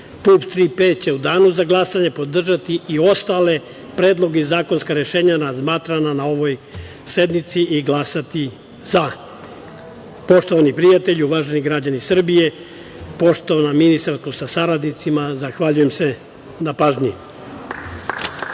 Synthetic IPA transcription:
pupst̪ɾipet͡ɕe̞ud̪aːnuzaɡlˠasaɲe̞po̞d̪r̩ʒat̪iio̞st̪ale̞ | pɾe̞ːd̪lˠo̞ɡeizaːko̞nskaɾe̞ʃe̞ːɲanazmaːt̪ɾananao̞ʋo̞j | se̞d̪nit̪siʔiɡlˠasat̪i | z̥a | po̞ʃt̪o̞ʋanipɾijat̪e̞ʎuʋaːʒeniɡɾad͡ʑanisr̩bije̞ | po̞ʃt̪oʋanaminist̪aɾst̪usasaɾad̪nit̪simazaxʋaʎujemse | napaːʒɲi

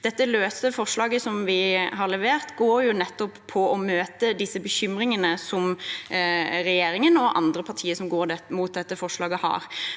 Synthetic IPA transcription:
d̪̥ɛt̪ːəløːsəfɔʂlɑːɡəsɔmʋɪɦɑɾɭɛʋeːʁt̪ɡoːɾjʊnɛt̪ːɔppʰɔʔɔmøːt̪əd̪ɪsːəbəçʏmɾɪŋənəsɔm | ɾɛjeːɾɪŋənɔʔɑ̰nd̪ɾəpʰɑʁʈʰiːəsɔmɡoːɾd̪ɛmuːt̪̚d̪ɛt̪ːəfɔʂlɑːɡəhɑ̰ːɾ

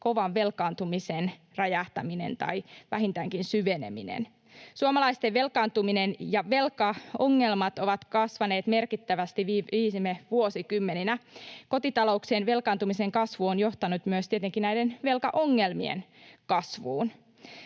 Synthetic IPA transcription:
ko̞ʋɑʋʋe̞lkɑːnt̪umisen | rɑjɑht̪ɑ̰mine̞̰nt̪ɑ̰iʋæhint̪æŋkinsyʋenḛmḭnḛn | suɑmɑlɑist̪eʋʋe̞lkɑːnt̪uminenjɑʋelkɑoŋːelmɑt̪oʋɑt̪kɑsʋɑneːt̪merkit̪ːæʋæst̪iʋiːiːsmeʋuosikymːeninæko̞t̪it̪ɑlo̞ukseːnʋe̞lkɑnt̪umiseŋkɑsʋuonjoht̪ɑnut̪myøst̪iet̪eŋkinnæijdenʋe̞lkɑʔoŋːelmiḛnkɑsʋuːn

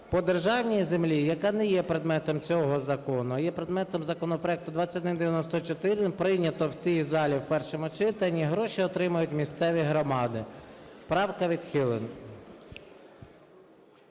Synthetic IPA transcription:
pɔd̪erʒɑwnʲijizemlʲijɐkɑnɛjɛpɾed̪mɛt̪ɔmt͡sʲɔɦɔzɐkɔnʊjɛpɾed̪mɛt̪ɔmzɐkɔnɔpɾɔɛk̚t̪ʊd̪ʋɑt͡sʲːɐtd̪ɪnd̪eʋʲjɐnɔst̪ɔt͡ʃɔt̪ɪɾpɾɪjnʲɐt̪ɔwt͡sʲijzɑlʲiwpɛrʃɔmʊt͡ʃɪt̪ɐnʲːiɦɾɔʃiɔt̪ɾɪmɐjʊtʲmʲist̪sɛʋʲiɦɾɔmɑd̪ɪpɾɑwkɐʋʲid̪xɪlˠen

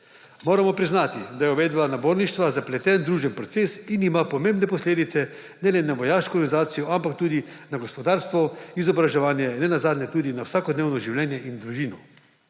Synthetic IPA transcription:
moːɾamɔpɾiznaːt̪id̪ajɛɔʋeːd̪banaboːɾniʃt̪ʋazaplɛt̪ɛnd̪ɾuːʒɛnpɾɔt̪sesinimapɔmẽːmbnɛpɔsleːd̪it̪sɛ | nɛlɛnaʋɔjaːʃkɔɔɾɡanizaːt̪sijɔampak̚t̪uːd̪inaɡɔspɔd̪aːɾst̪ʋɔizɔbɾaʒɛʋaːnjɛnɛnazaːd̪nʲɛt̪uːd̪inawsaːkɔd̪neːwnɔʒiwlʲjɛːnjɛʔind̪ɾuʒiːnɔ

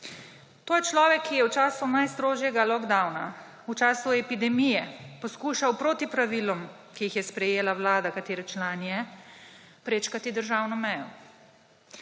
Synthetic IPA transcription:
t̪oːjɛt͡ʃlɔːʋɛkʰːijɛwt͡ʃaːsunajst̪ɾoːʒjɛɡalɔkd̪awna | ut͡ʃaːsuɛpid̪ɛmijɛpɔskuːʃawpɾoːt̪ipɾaʋilɔm | kijixjɛspɾɛjeːlawlaːd̪akat̪eːɾɛt͡ʃlaːnijɛ | pɾeːt͡ʃkat̪id̪əɾʒaːwnɔmɛjɔ

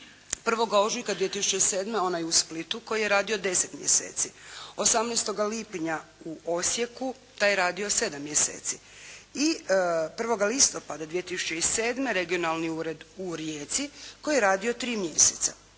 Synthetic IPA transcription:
pr̩ʋo̞ɡao̞ʒujkad̪ʋije̞t̪isut͡ʃe̞ise̞ːd̪meo̞najusplit̪uko̞jijeɾaːd̪iod̪e̞set̪mjḛsḛːt̪sio̞samnest̪o̞ɡaliːpɲauʔo̞sje̞ku | t̪aːjeɾaːd̪io̞se̞d̪amːjesḛːt̪si | ipr̩ʋo̞ɡalist̪o̞pad̪ad̪ʋijet̪isu̥t͡ɕe̞ise̞ːd̪me̞ɾe̞ɡio̞nalniuːɾe̞d̪uɾjeːt̪siko̞jijeɾaːd̪io̞t̪ɾiːmjeset̪sa̰

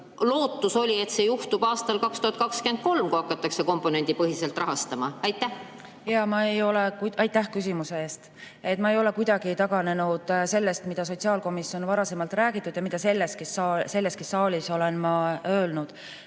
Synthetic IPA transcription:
lo̞ːt̪ːuso̞lʲie̞t̪se̞juht̪ub̥ɑːst̪ɑlkɑkst̪uhɑt̪̚kɑkskyent̪̚ko̞lmkuɑkːˑɑt̪ːˑɑkse̞ko̞mpːˑo̞ne̞nd̪ipɤɦise̞lt̪ˑrɑɦɑst̪ɑmɑɑjt̪ːˑæh | jɑmɑe̞jo̞le̞kuʔɑjt̪ːˑæhkys̬ʲimuse̞eːst̪ | e̞t̪ːˑmɑe̞jo̞le̞kujd̪̥ɑɡ̥it̪ɑɡ̥ɑne̞nud̪̥se̞lːe̞st̪mid̪̥ɑso̞t̪ʲsiɑːlko̞misijo̞nvɑɾɑse̞mɑlt̪ˑræːɡit̪ːˑud̪̥jɑmid̪̥ɑse̞lːest̪kisɑse̞lːe̞st̪kisːɑːlʲiso̞le̞nmɑøːlnud̪̥

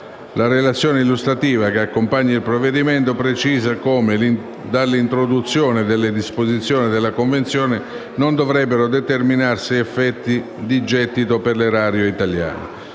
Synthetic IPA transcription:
laɾelat̪sːjɔːneilːust̪ɾat̪iːvak̟eakːompaɲːailpɾovːed̪iment̪opɾet͡ʃiːzakoːmel | d̪alːint̪ɾod̪ut̪sːjoːnɪd̪elːɪd̪ispozit̪sːjoːnid̪elːakoɱvent̪sjɔːnɪ | nond̪ovɾɛbːeɾod̪et̪erminarsiɛfːɛt̪ːi | d̪id͡ʒɛt̪ːit̪operleɾaːɾjoit̪alja̰ːno̰

